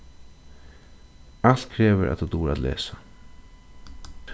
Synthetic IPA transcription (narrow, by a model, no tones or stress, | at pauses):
alt̪kʰɾeːʋəɾʔa̰t̪ut̪uːɾa̰t̪lḛːsḁ